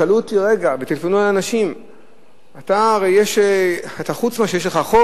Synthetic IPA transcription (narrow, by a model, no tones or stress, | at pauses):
alut̪iʁeɡabet̪ilfonualanaʃim | at̪aːʁejjeʃeat̪aχut͡smaʃejeʃleχaχo